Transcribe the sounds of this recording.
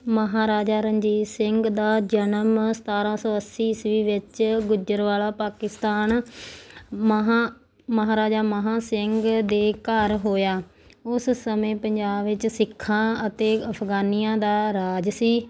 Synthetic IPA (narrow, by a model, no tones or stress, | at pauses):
məɦaːɾaːd͡ʒaːɾəɲd͡ʒiːsɪŋɡd̪aːd͡ʒənəmsə̥t̪aːɾãːsəʋəsiːsʋiːʋɪt͡ʃɡʊd͡ʒəɾʋaːlaːpaːkɪst̪aːn | mɦa | məɦaːɾaːd͡ʒaːməɦãːsɪŋɡd̪eːkəɾɦoːjaː | ʊssəmẽːpəɲd͡ʒaːbʋɪt͡ʃsɪkʰːãːət̪eːəpʰɡaːniːãːd̪aːɾaːd͡ʒsiː